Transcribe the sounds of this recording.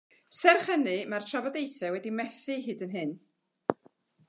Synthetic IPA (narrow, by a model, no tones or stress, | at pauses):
sɛrχənɨmartʰravɔdejθɛwɛdimɛθɨɦɨːdənɦɨn